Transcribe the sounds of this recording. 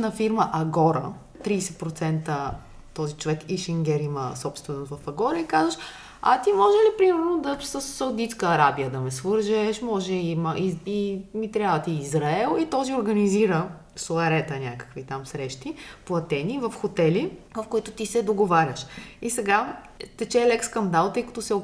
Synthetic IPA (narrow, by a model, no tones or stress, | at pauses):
nɐfiɾməʔɐɡɔɾə̰ | t̪ɾiːsɛt̪̚pɾot̪sɛnt̪ə | t̪ɔzit͡ʃovɛkiʃɛŋɡʲɛɾiməsɔpst̪vɛnost̪vɐfɐɡɔɾəikazəʃ | ɐ̰t̪imɔʒɛlipɾimɛɾnod̪ɐsəsːɐwd̪it̪skəːɾabijəd̪ɐmɛsvɤɾʒɛʃmɔʒɛiməʔiimit̪ɾʲjavɐt̪iːzɾaɛlˠit̪ɔzioɾɡɐniziɾə | soɐɾɛt̪ənʲakə̥kvit̪amsɾɛʃt̪iplˠɐt̪ɛnivɐfxot̪ɛlivɐfkoit̪ot̪isɛd̪oɡovaɾʲəʃisɛɡa | t̪ɛt͡ʃɛlɛkskɐnd̪alˠt̪ɤjkɐ̥t̪osɛ